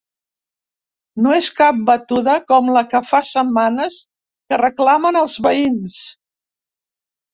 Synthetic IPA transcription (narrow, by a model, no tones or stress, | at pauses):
noeskap̚bət̪uðəkɔmləkəfasəmːanəs | kərəklamənəlˠzβəins